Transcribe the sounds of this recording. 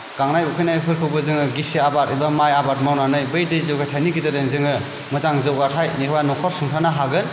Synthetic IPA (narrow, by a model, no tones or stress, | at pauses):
ɡ̥aŋnajukʰɯjnajpʰɯɾkʰɯwbɯzɯŋɯɡisiabaɾɯjbamajabat̚mawnanɯjbɯjdɯjzɯwɡajtʰajniɡidɯdɯnzɯŋɯ | mɯzaŋzɯwɡatʰajnikʰwanɔkʰɔɾsuŋtʰanaɦaɡɯn